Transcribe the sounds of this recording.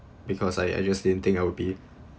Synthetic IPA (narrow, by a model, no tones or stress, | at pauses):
bikʰɔsaja̰jd͡ʒasd̥idə̃n̩t̪ɪ̃ŋkawud̚bi